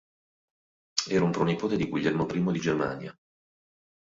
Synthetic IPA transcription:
ɛːɾaumpɾɔnipoːt̪ed̪iɡuʎːɛrmopɾiːmod̪id͡ʒerma̰ːnja̰

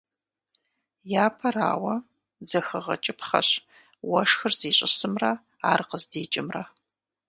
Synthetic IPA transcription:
jaːpʰɐra̰ːwɐ | zɐxɐʁɐt͡ʃʼɪpχɐ̰ɕ | wɐʂxɨrziːɕʼɪsɨmrɐ | aːrqəzdeːt͡ʃʼɪmrɐ

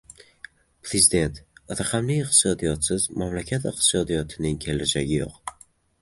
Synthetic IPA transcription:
pʰɾezid̪e̞nt̪ɾaχamlɪɪqt̪ɪ̥sɒd̪ijɒt̪sɪzmamlakʲʰat̪ɨqt̪ʰɪ̥sɒd̪ijɒt̪ʰɪnɪŋkʲʰe̞lad͡ʒaɡʲɪjo̰q

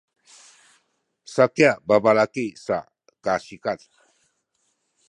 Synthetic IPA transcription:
sakjababalakesa̰ | kasikat̪

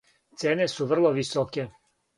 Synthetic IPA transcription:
t̪seːne̞suʋr̩lˠoʋisoke

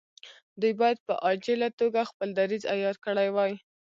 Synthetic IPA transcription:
d̪ujbɑjad̪̚pə̰ʔɑd͡ʒelat̪oɡaxpəld̪aɾiza̰jɑɾkəɽajwɑj

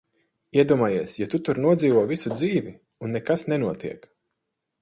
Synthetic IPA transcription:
iɛd̪uɔmaːjiɛsjat̪ut̪uɾnuɔd̪ziːvuɔvisud̪ziːvi | unːekasnɛnuɔt̪iɛk

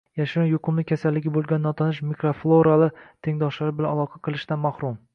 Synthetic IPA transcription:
jaʃɪɾujʊqʰɨmlɪkʲʰasalːɪɡʲɪbolˠɡʲanːɒt̪ʰanɪʃmikɾoflˠoɾalˠɪt̪ʰeŋd̪ɒʃlaɾɪbɪlanalˠɒqʰɑqʰɨlˠɪʃd̪anmahɾʊm

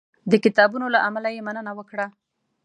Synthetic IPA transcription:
d̪əkɪt̪ɑbunolaʔamalajemanənawəkɽa

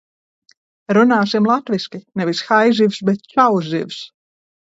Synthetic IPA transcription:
ɾunaːsimlˠat̪viskʲinɛvisxajzivsbɛt̪̚t͡ʃawzḭvs

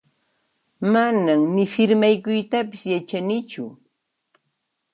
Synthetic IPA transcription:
manamnɪfɪɾmajkʊjt̪apɪsjat͡ʃanɪt͡ʃʊ

